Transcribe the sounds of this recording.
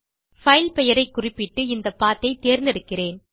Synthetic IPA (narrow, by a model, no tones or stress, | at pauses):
fɐɪlpɛjɐɾɐɪkːʊrɪpːɪʈːɯɪnd̪ɐpːaːt̪ːɐɪt̪ːeːɾnd̪ɪɽɯkːɪreːn